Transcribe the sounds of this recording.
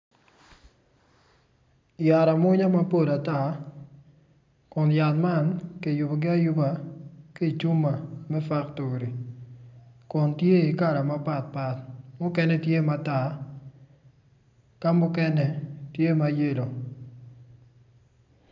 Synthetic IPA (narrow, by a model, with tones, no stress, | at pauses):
ja˨ɾa˨mʊ˦ɲa˦ma˦po˦˨da˨ta˦˨ | kʊ˨nja˨tma˦nke˨jʊ˨bo˨ɡɪ˦a˦ju˦ba˨ke˦˨t͡ʃu˦ma˨mɛ˦fa˦kto˨ɾi˨ | kʊ˨ntje˦i˨ka˦˨ɾa˨ma˦pa˦t̚pa˨t̚mʊ˦kɛ˦nɛ˦tje˦ma˨˦ta˦˨ | ka˦mʊ˦kɛ˦nɛ˨tje˦ma˨˦je˦lo˨